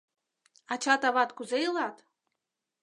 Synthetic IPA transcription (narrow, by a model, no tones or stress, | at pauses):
ɑt͡ɕɑt̪ɑβɑt̪kuzejɤlˠɑt̪